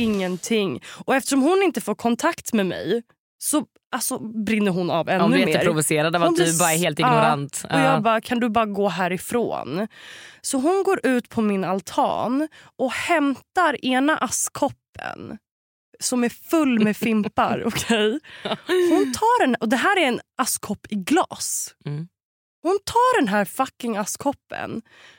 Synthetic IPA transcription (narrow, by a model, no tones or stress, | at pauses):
ɪŋːənt̪ʰɪŋːɔɛft̪əʂɔmhʊnɪnt̪əfoːɾkʰɔnt̪ʰakt̪mɛmɛ̰j | sɔ | ʔalsɔbɾɪnːəɾɦʊnavɛnd̪ːʉjɛmeːəːtɾɾʊvʊseːɾad̪ɔvad̪bɑːɾaɛɾheːlt̪ɪɡnɔɾant̪ɔjɑːɡbɑːkʰand̪ɵbɑːɾaɡoːɦæːɾɪfɾo̰ːn | sɔɦʊnɡoːɾʔʉ̟ːt̪pʰɔmɪnalt̪ʰɑ̰ːnʔɔhɛmt̪aɾeːnaʔaskʰɔpːə̰n | sɔmæɾfɵlːmmɛfɪmpa̰ɾɔkʰɛj | hʊnt̪ʰɑːɖɛnʔɔd̪ɛɦæːɾæɾɛnʔaskʰɔpːɪɡlɑ̰ːs | hʊnt̪ʰɑːɖɛnɦæːɾfakːɪŋaskʰɔpːə̰n